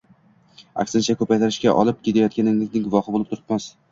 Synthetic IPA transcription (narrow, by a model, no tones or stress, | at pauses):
a̰kʲsɪnt͡ʃʰakʰɵpajt̪ʰaɾɪʃkʲaʔɒ̰lˠɪp̚kʲʰet̪ʰajɒt̪̚kʲanɪŋlɪkʲnɪŋɡʊvɒhɪbolɪp̚t̪ʰʊɾɪ̥pmas